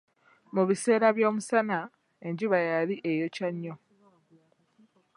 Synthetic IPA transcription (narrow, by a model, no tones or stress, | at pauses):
muβise̞ːɾaβjo̞ːmusana | e̞ɲɟiβajaliʔe̞jo̞caɲːo